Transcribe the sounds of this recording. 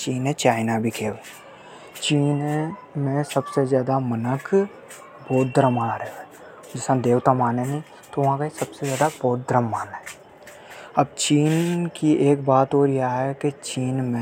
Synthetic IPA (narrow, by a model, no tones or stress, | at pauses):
t͡ʃiːnɦẽt͡ʃaːɪnabʱikʰeːl | t͡ʃiːn | mẽsəbsezjaːd̪amənək | bɔːt̪̚d̪əɾəmaaɾəoɛ | d͡ʒɪsãd̪eːʋt̪amaːneni | t̪oʋɐɦãkaisəbsezjaːd̪aboːt̪̚d̪ɾəmːaːnɦɛː | ɐb̚t͡ʃiːnkiʔeːk̚baːt̪oːɾjeaɦɛket͡ʃiːnmẽ